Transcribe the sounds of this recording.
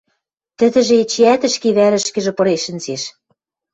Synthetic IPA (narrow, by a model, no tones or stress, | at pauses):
t̪ɘ̆d̪ɘ̆ʒĕet͡ɕiæt̪ɘ̆ʃkeβæɾɘ̆ʃkɘ̆ʒĕpɤ̆ɾeʃɘ̆nzeʃ